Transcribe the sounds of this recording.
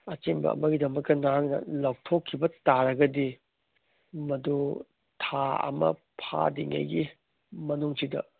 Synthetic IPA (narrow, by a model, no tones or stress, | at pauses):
ɐt͡ʃembɐ̰ːmɐɡidɐmɐk̚tɐnaŋnɐ̰law̚tʰokʰːibɐtaɾɐɡɐdi | mɐdu | tʰaɐ̰mɐ̰pʰa̰diŋɐ̰jɡi | mɐnuŋsidɐ̰